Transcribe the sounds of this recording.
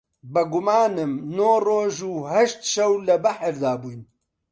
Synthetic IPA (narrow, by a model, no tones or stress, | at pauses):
bɐɡʊmaːnɨmnoːroːʒuːhɐʃt̪ʃɛwlɐbɐħəɾd̪aːbuːjn